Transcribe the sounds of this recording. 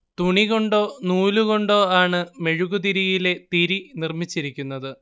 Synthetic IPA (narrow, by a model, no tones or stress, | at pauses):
t̪uɳiɣo̞ɳɖo̞ːnuːluɣo̞ɳɖo̞ːaːɳɨme̞ɻuɣud̪iɾijile̞t̪iɾinirmit͡ɕːiɾikʲːunːɐðɨ